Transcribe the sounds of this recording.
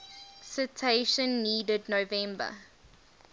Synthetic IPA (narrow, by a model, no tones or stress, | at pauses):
sɪtʰeʃə̃nːiːdədnovɛ̃mbə̰